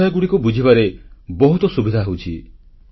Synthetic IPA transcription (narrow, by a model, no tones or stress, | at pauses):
jɔɡuɽikubud͡ʒʱiβaɾebɔɦut̪ɔsubid̪ʱaɦewt͡ʃʰi